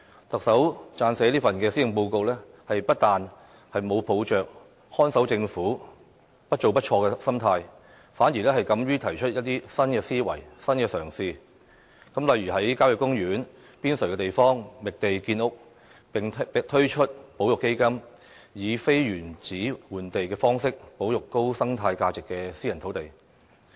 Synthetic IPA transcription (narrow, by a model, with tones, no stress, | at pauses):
t̪ɐ˨k̚sɐ˨˥wt͡saː˧nsɛː˨˥liː˥fɐ˨nkɛː˧siː˥jɪ˨ŋpo˧wko˧wlɛː˥ | hɐ˨jpɐ˥t̚t̪aː˨n | hɐ˨jmo˨˧wpʰo˨˧wt͡ʃœː˨k̚ | hɔː˥nsɐ˨˥wt͡sɪ˧ŋfuː˨˥ | pɐ˥t̚t͡ʃo˨wpɐ˥t̚t͡ʃʰɔː˧kɛː˧sɐ˥mt̪ʰaː˧j | faː˨˥njiː˨˩lɛː˥hɐ˨jkɐ˨˥mjyː˥t̪ʰɐ˨˩jt͡ʃʰɵ˥t̚jɐ˥t̚t̪iː˥sɐ˥nkɛː˧siː˥wɐ̰˨˩jsɐ˥nkɛː˧sœː˨˩ŋsiː˧ | kɐ˨˥mlɐ˨jɥyː˨˩hɐ˨˥jkaː˥wjʊ˨˩kːʊ˥ŋjyː˨˥n | piː˥nsɵ˨˩jkɛː˧t̪e˨jfɔː˥ŋmɪ˨k̚t̪e˨jkiː˧nʊ˥k̚ | ŋ˨t̪ʰɵ˥ɥt͡ʃʰɵ˥t̚po˨˥wjʊ˨kːe˥jkɐ˥m | jiː˨˧fe˥jɥyː˨˩nt͡siː˨˥wuː˨nt̪e˨jkɛː˧fɔː˥ŋsɪ˥k̚po˨˥wjʊ˨kːo˥wsɐ˥ŋt̪ʰaː˧jkaː˧t͡sɪ˨kːɛː˧siː˥jɐ˨˩nt̪ʰo˨˥wt̪e˨˩j